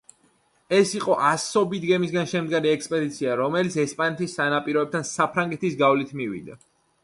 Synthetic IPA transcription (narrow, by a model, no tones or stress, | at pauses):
ɛsiqʼɔʔasɔbit̪ʰɡɛmis̬ɡanʃɛmd̪ɡaɾiɛkspʼɛd̪it̪sʰiaɾɔmɛlit̪sʰɛspʼanɛt̪ʰisːanapʼiɾɔɛbp̚t̪ʰansapʰɾaŋɡɛt̪isɡavlit̪ʰmiwḭd̪a̰